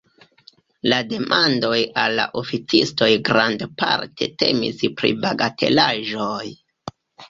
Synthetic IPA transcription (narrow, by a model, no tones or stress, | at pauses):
lade̞mʔando̞jalːa̰ʔo̞fit͡sisto̞jɡɾandpa̰ɾte̞̰te̞mḭspɾḭbaɡate̞̰laʒo̞j